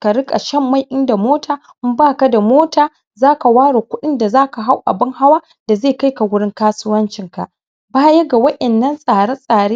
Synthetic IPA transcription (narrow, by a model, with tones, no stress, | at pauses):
ka˨ɽɪ˦kʼa˨ʃɐ˦mːa˦jʔɪ˦nda˨moː˦tʰaː˨˦ | baː˦ka˨˦da˨moː˦taː˨ | zaː˦ka˨waː˦ɽoː˨kʷʊ˦ɗɪ˦nda˨zaː˦ka˨ɦa˦wʔa̰˨bɪ˦ŋha˦waː˦ | d̥a˨zeː˦˨ka˦jka˨wʊ˦ɽɪ˦ŋkaː˦sʊ˦wɐ˦nt͡ʃɪ˨ŋka̰˨ʔ | baː˦jɐ˦ɡa˨wɐ˦ʔɛ˨nːɐ˦nsʼaː˨ɽa˦sʼaː˨ɽeː˦